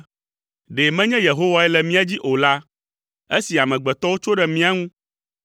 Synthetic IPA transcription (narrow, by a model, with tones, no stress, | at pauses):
ɖe˨mɛ̃˦ɲɛ̃˦je˨ɦo˦wa˦ɛ˦lɛ˨mĩ˦a˦d͡ʑi˦ʔo˨la˦ | e˦si˨a˨mɛ̃˨ɡ͡bɛ˨t̪ɔ˦wo˦t͡ʃo˦ɖɛ˨mĩ˦a˦ŋũ˦